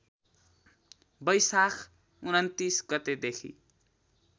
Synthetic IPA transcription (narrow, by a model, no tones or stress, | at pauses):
bʌjsakʰ | unʌnt̪isɡʌt̪ed̪ekʰḭ